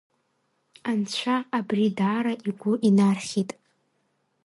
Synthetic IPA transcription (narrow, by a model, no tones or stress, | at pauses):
ant͡ɕʷʰaːbridaɾaʔiɡʷʊʔinarχʲitʼ